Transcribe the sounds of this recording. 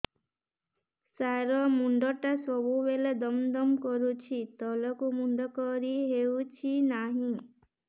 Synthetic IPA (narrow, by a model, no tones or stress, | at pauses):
saɾɔmuɳɖɔʈasɔbuʋeled̪ɔmd̪ɔmkɔɾut͡ʃʰit̪ɔlɔkumuɳɖɔkɔɾiɦeut͡ʃʰinaɦĩ